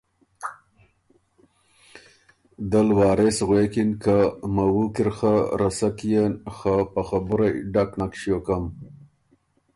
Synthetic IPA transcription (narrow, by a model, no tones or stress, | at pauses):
d̪əlwɑːɾesɣwekinkamawukiɾxaɾasakijenxapaxabuɾajɖaknakʃjokam